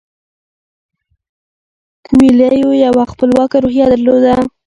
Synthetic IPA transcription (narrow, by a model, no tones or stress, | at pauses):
kwilajojawaxpəlwɑkaɾohjad̪əɾlod̪a